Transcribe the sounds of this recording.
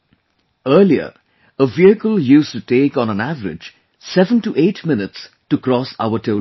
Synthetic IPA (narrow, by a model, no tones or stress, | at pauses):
əːliə̰ | əviəkəljuːsʈuʈeːkɔ̃nə̃nævəɾɪ̰d͡ʒ | sɛvə̃nʈuʔeːʈʰmɪnɪʈs | ʈukɾɔsa̰ʊəʈʰeʊ